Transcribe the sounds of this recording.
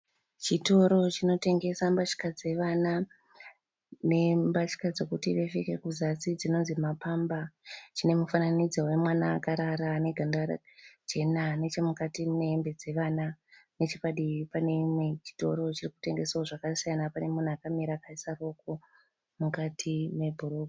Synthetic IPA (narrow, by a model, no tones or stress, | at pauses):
t͡ʃito̞ɾo̞t͡ʃino̞te̞ŋɡe̞sambat͡ʃi̥kad͡ze̞ʋana | ne̞mbat͡ʃi̥kad͡ze̞kutiʋe̞feke̞kuzat͡sid͡zino̞nzimapambat͡ʃine̞mufananid͡zawe̞mwanaːkaɾaɾaːne̞ɡʱandara̰d͡ʒe̞nane̞t͡ʃe̞mukatine̞ːmbe̞d͡ze̞ʋaːnane̞t͡ʃepaɗiipane̞imwe̞t͡ʃi̥to̞̰ɾo̞t͡ʃiriku̥te̞ŋɡe̞saoʐakasijanapane̞mun̤uakamiɾaːkaisaro̞ko̞ | mukatʰime̞bʱuɾoɡʱo